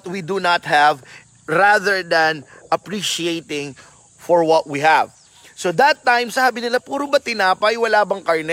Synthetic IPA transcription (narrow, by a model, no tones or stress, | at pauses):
t̪̚wid̪unɐt̪̚hɛv | ɾaðəɹd̪ɐnʔɐpɹiʃiejt̪ɪ̃ŋ | fɔɹwɔt̪̚wihæv | sod̪ɐt̪ːãjmsɐhaːbɪnɪlapuːɾobɐt̪ɪnaːpɐjwɐlaːbɐŋkaɹnɛ